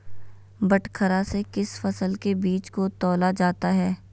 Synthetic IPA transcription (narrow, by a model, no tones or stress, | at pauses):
bɐʈkʰəɾasekɪsfɐsəlkebiːt͡ʃkot̪ɔːlad͡ʒaːt̪aɦɛː